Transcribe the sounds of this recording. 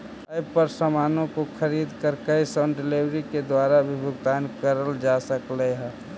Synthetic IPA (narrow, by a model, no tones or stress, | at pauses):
əjpəɾsəmaːnõkokʰəɾiːd̪kəɾkəisɔnɖɪliʋɾiked̪waːɾaʋɪbʱʊɡt̪aːnkəɾəld͡ʒasəkleɦɛː